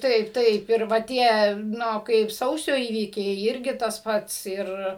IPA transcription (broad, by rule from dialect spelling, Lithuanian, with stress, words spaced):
ˈtɐɪp ˈtɐɪp ɪr ˈʋɐ ˈtʲiɛ ˈnʊ ˈkɐɪp ˈsɐʊsʲoː ˈiːʋʲiːkʲɛɪ ˈɪrʲɡʲɪ tɐs ˈpɐts ˈɪr